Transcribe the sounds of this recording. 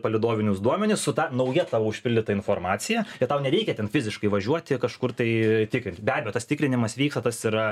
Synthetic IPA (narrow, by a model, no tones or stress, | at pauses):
pɐlʲɪd̪oːʋʲɪnʲʊsd̪uɔmʲɛnʲɪssʊt̪ɑnɐʊjɛt̪ɑːʋɐʊʃʲpʲɪlʲdʲɪt̪ɐɪnfoːɾmɑːt͡s̪ʲɪjɛɪt̪ɐʊnʲɛɾʲɛɪkʲɛt̪ʲɛnfʲɪzʲɪʃkɐɪʋɐʒʲuɔt̪ʲɪkɐʃkʊrt̪ɐɪt̪ʲɪkɾʲɪnʲt̪ʲbʲæːbʲejoːt̪ɐst̪ʲɪkɾʲɪnʲɪmɐsʋʲiːkst̪ɐt̪ɐsiɾɐ